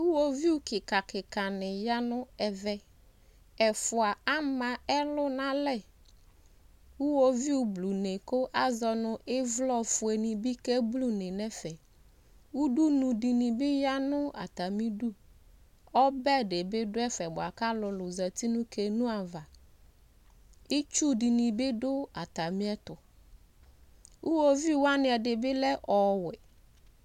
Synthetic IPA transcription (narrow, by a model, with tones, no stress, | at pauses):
wu˦wo˦vi˦u˦kɪ˨ka˨kɪ˨ka˨nɪ˨ja˦nʊ˦ɛ˨vɛ˦ | ɛ˨fʊ˨a˨a˦mã˨ɛ˦lʊ˦nã˦lɛ˦˨ | wu˦wo˦vi˦u˨blu˨ne˨kʊ˦ʔa˦zɔ˨nʊ̃˦ʔɪ˦vlɔ˦fʊ˨e˨nĩ˨bɪ˦ke˦blu˦ne˨nɛ˦fɛ˨ | wu˦du˦nũ˨di˨nĩ˨bɪ˦ja˦nʊ̃˦a̰˨t̪a˨mĩ˦du˦ | ɔ˦bɛ˦ɖe˨bɪ˦dʊ˦ɛ˦fɛ˨bʊ˨a˨ka˦lʊ˨lʊ˨zɛ˨t̪i˦nʊ̃˦kʰe˨nʊ̃˦a˨va˨ | ɪ˦t͡ʃu˦di˨nĩ˨bɪ˦dʊ˦a˨t̪a˨mĩ˦ɛ˦t̪ʊ˨ | wu˦wo˦vi˦˨˦wa˦nɪ̃˨ɛ˨dɪ˨bɪ˦lɛ˦ʔɔ˨wɪ˨